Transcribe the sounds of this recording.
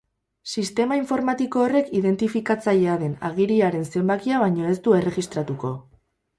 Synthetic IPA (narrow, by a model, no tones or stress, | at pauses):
sist̪e̞maiɱfo̞ɾmat̪iko̞ːre̞kiðe̞nt̪ifikat͡saʎe̞aðe̞na̰ɣiɾiaɾe̞nse̞mbakiaβ̞aɲo̞e̞st̪ue̞re̞ɣist̪ɾat̪uko̞